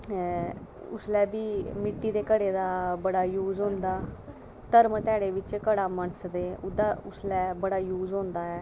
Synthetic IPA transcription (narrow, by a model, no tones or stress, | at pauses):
ʊslɛːbiːmɪʈːiːd̪eːkəɽeːd̪aːbəɽaːjuːzɦõːnd̪aː | t̪əɾmt̪ɛːɽeːʋɪt͡ʃkəɽaːmənsd̪eːʊd̪aːʊslɛːbəɽaːjuːzɦõːnd̪aːɛː